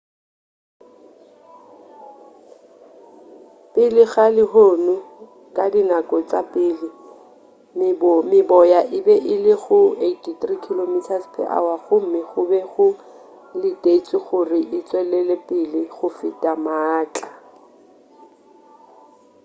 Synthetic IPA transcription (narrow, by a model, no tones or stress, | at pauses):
pʼɪlɪɣalɪɦoːnʊ | kʼadinakʼɔt͡sʼapʼɪlɪ | mɪbɔjaʔɪbɛʔɪlɪɣʊetʰitrikʰilomitʰaspʰɛ̰ʔa̰waɣʊm̩mɪχʊbɛχʊ | lɪtʼet͡sʼɪɣʊrɪʔɪt͡sʼwɛlɛlepʼɪlɪχʊfɪtʼamaːt͡ɬʼa